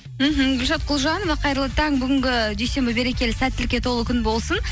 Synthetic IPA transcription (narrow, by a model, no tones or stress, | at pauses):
m̩ɦm̩ɡʲʊlʲʃɑt̪̚qʰʊlˠʒɑnovɑqʰɑjɾəlˠət̪ɑŋbʏɡʲɪŋɡʲɪʒejse̞mbɪbe̞ɾe̞kʲe̞lɪsæt̪ːɪlkʲe̞t̪ʰo̞lˠəkʲʰʏnbo̞lˠsən